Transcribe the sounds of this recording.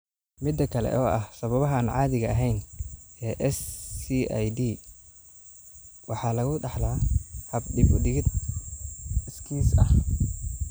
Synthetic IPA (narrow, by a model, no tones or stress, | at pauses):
mɪd̪ːɐkʰɐlɛ̰ʔɔːʔɐhsɐβɐβɐɦaːnʕɑːðɪɣɐɐɦɛjnɛːʔɛsia̰jd̪iː | wɑħɑːlɐɣʊɖɑħlaːhɐbɖɪɡʊɖɪɣɪd̪ | ɪskʰiːsɐ̰h